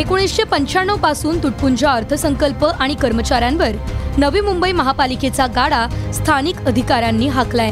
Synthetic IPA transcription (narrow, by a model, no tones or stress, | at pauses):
ekoɽ̃isɕepəɲt͡ɕaɳːopasuːnt̪uʈ̚puɲd͡ʑaəɾt̪ʰəsəŋkəlpəʔaɽ̃ikəɾmət͡ɕaɾjãnʋəɾnəʋiːmumbəiməɦapaliket͡saɡaɽast̪ʰanikəd̪ʱikaɾjanːiːɦaklaj